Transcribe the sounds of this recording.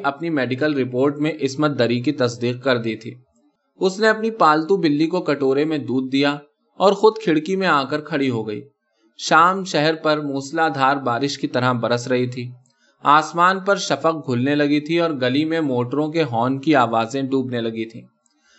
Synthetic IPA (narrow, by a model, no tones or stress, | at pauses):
ʔɐpnimɛːɖɪkəlɾɪpoːɾʈmẽʔɪsmət̪̚d̪ɐɾikit̪ɐsd̪iːq̚kɐɾd̪it̪ʰiː | ʊsneɐpnipaːlt̪ũbɪlːikokɐʈoːɾemẽd̪uːd̪̚ːija | ɔːɾxʊd̪kʰɪɽkimẽaːkəɾkʰɐɽiɦoɡɐḭː | ʃaːmʃɛɦɛɾpɐɾmuːslad̪ʱaːɾbaːɾɪʃkit̪ɐɾabɐɾəsɾɐɦit̪ʰiː | aːsmaːnpɐɾʃɐfəq̚ɡʱʊlnelɐɡit̪ʰiɔːɾɡɐlimẽmoːʈɾõkeɦɔːnkiaːʋaːzẽɖuːbnelɐɡit̪ʰĩː